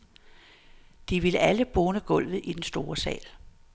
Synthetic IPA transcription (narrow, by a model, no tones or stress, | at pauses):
d̥iʋi̝ləæləb̥ɔːnəɡ̥ɔ̽l̰ʋð̩ˠid̥ensd̥o̝ːɐsɛ̰ːl